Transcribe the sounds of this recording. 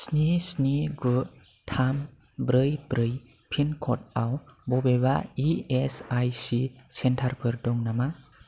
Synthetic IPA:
snisniɡu | tʰam | bɾɯjbɾɯj | pʰinkʰɔt̚awbɔbebaiesajsisentʰaɾpʰɯɾdɔŋnama

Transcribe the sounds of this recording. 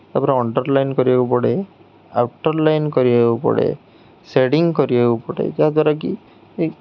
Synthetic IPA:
t̪apɔɾeɔɳɖɔɾlajnkɔɾibaupɔɽe | a̰wʈɔɾlajnkɔɾibaupɔ̰ɽḛ | seɽiŋkɔɾibakupɔɽḛd͡ʒad̪waɾak̬i

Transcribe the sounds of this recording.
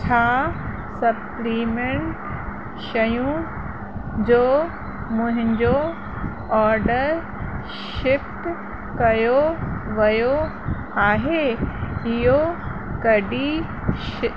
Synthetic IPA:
t͡ɕʰaː | sɐpliːmẽɳʈ | ʃɐjũ | d͡ʑoː | mʊ̃ɦɪ̃ɲd͡ʑo | ɔːɾɖəɾ | ʃɪfʈ | kɐjoʋɐjo | aːɦe | ɪjokɐɖi | ʃ

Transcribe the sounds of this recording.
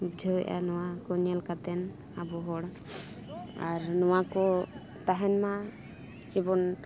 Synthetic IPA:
bd͡ʒʱɔwɛʔa̰nɔwakɔɲɛlkat̪ɛn | abɔɦɔɽ | aɾnɔwakɔ | t̪aɦɛnma | t͡ʃibɔn

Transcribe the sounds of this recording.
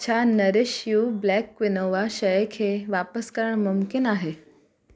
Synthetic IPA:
t͡ɕʰanɐɾɪʃjublɛːkʋɪnoʋaʃɐjekʰeːʋaːpəskəɾəɳ̃mʊmkɪnaːɦeː

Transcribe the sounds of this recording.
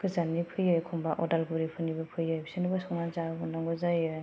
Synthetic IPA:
kɯzanipʰɯjɔjkʰɔmbaʔɔdalɡuɾipʰɯnibɯpʰɯjɔjbʰi̥sɯnibasɔŋnazabɯnɔŋɡɯzajɯ

